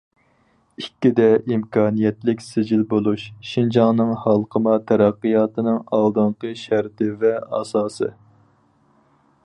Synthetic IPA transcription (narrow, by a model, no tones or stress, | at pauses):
ikʲːid̪ɛʔimkʰɑːnijɛt̪lɪkʲsɪd͡ʒilbolˠuʃʃind͡ʒɑŋnɨŋhɑlˠqʰəmɑt̪ʰæɾæqːɨjɑːt̪ɨnɨŋɑlˠd̪ɨɴqəʃæɾt̪ɪvɛɑ̰ːsɑːsɨ̰